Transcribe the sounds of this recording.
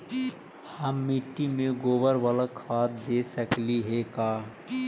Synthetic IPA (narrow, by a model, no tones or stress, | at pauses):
həmːiʈːimẽɡoːbəɾʋaləkʰaːt̪d̪esəkliɦɛkaː